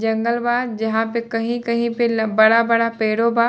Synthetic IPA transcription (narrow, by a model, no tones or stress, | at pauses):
d͡ʒɐ̃ŋɡəlʋaːd̪̚d͡ʒɐɦãpekɐɦĩkɐɦĩpelbɐɽabɐɽapeːɽobaː